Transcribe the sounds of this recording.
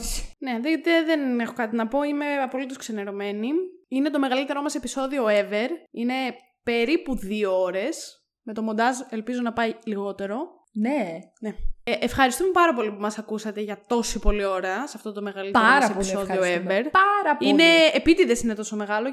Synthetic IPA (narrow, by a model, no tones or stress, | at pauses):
ne̞ðeot̪eðenexo̞kɐt̪inɐpo̞ime̞ɐpo̞lit̪oskseneɾo̞me̞niine̞t̪o̞me̞ɣɐlit̪e̞ɾo̞mɐse̞piso̞ðio̞eve̞ɾine̞ | pe̞ɾipuðiooɾe̞s | met̪o̞mo̞nd̪ɐzelpizonɐpɐiliɣo̞t̪e̞ɾo̞ | ne | neʔefxɐɾist̪umepɐɾɐpo̞lipumɐsɐkusɐt̪eʝɐt̪o̞sipo̞lio̞ɾɐsɐft̪o̞t̪o̞me̞ɣɐlit̪ɾɐmɐseoilsio̞ðioeveɾpɐɾɐpine̞ːpit̪iðesine̞t̪o̞so̞me̞ɣɐlo̞